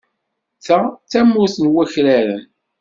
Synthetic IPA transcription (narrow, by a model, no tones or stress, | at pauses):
t͡sːæt͡sːæmːuθənwæçɾæɾən